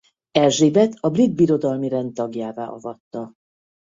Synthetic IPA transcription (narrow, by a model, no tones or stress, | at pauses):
ɛlʒeːbɛt̪ʰɒbrid̪̚biɾo̞d̪ɒlmiɾɛnt̪ɒɡjaːva̰ːʔɒ̰vɒt̪ːɒ